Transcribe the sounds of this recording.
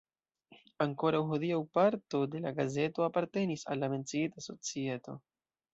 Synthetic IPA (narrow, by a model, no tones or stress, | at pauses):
aŋko̞ɾawɦodiawpaɾto̞de̞laɡaze̞to̞apaɾte̞nisa̰lːame̞nt͡siitaso̞t͡sie̞to̞̰